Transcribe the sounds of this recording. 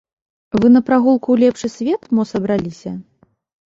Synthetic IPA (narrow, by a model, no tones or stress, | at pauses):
vɨnɐpɾaɣulˠkuwlʲɛpʂɨsʲvʲɛt̪mɔsɐbɾalʲisʲɐ